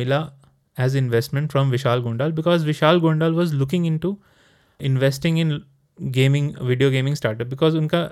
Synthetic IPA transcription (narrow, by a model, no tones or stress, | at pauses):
ɪla | ɛzɪ̃nʋesʈmẽɳʈfɾɔ̃mʋɪʃaːlɡõːɳɖaːlbɪkɔːzʋɪʃaːlɡõːɳɖaːlʋɔːzlʊkɪ̃ŋɪ̃ɳʈu | ɪ̃nʋesʈɪ̃ŋɪ̃n | ɡẽːmɪ̃ŋʋɪɖioːɡẽːmɪ̃ŋsʈaːɾʈəp̚bɪkɔːzʊ̃nka